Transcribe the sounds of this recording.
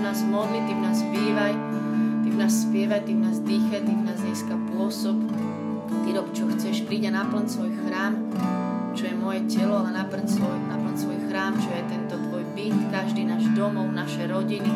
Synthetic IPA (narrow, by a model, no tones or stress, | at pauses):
naːzmɔd̪lit̪imnaːsbiːʋaj | t̪imnaːsːpɪɛʋajt̪imnaːzd̪iːxajt̪imnaːzziːskapʊɔsɔp | t̪iɾɔkt͡ʃɔxt͡sɛʃpɾiːɟanapl̩ɲsʋɔjxɾaːm | t͡ʃɔjɛmʊɔjɛcɛlɔanapl̩nsʋɔjnapl̩nsʋɔjxɾaːmt͡ʃɔjɛt̪ɛnt̪ɔt̪ʋɔjbit̪kaʒd̪iːnaːʒd̪ɔmɔʊnaʃɛɾɔɟini